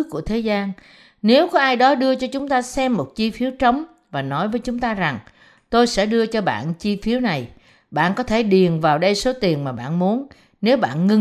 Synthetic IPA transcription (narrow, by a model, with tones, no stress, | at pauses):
ku˧˩ət̪ʰe˨˦zaː˧n | ne˨˦wkɔ˨˦ʔaː˧jɗɔ˨˦ɗɨ˧ət͡ɕɔ˧t͡ɕʊ˨˦ŋ͡mt̪aː˧sɛ˧mːo˨˩t̚t͡ɕi˧fi˨˦əwt͡ɕə˨˦wŋ͡m | vaː˨˩nɔ˨˦jvəː˨˦jt͡ɕʊ˨˦ŋ͡mt̪aː˧za˨˩ŋ | t̪o˧jsɛ̰˧˥ɗɨ˧ət͡ɕɔ˧ɓa̰ː˧˨nt͡ɕi˧fi˨˦əwna˨˩j | ɓa̰ː˧˨nkɔ˨˦t̪ʰe˧˩ɗi˨˩ənvaː˨˩wɗə˧jso˨˦t̪i˨˩ənmaː˨˩ɓa̰ː˧˨nmu˨˦ən | ne˨˦wɓa̰ː˧˨nŋɨ˧